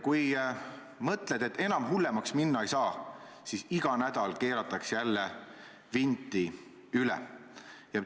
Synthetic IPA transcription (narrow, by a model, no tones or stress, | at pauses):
kuj | mɤt̪ˑle̞d̪̥e̞t̪ːe̞nɑmɦulːe̞mɑksminːɑejsɑː | sisiɡ̥ɑnæd̪̥ɑlke̞ːɾɑt̪ːˑɑksjælːe | vind̪i | ylɛ̰jɑ